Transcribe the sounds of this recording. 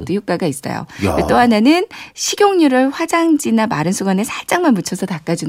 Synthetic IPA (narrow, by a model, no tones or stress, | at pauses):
t͈ɯjok͈aɡais͈ʌ̰jo̰et͈oɦanenɯnɕʰiɡjoŋɲuɾɯɭɸwad͡ʑaŋd͡ʑinamaɾɯnsʰuɡanesʰaɭt͡ɕ͈aŋmanmut͡ɕʰʌsʰʌtak͈ad͡ʑun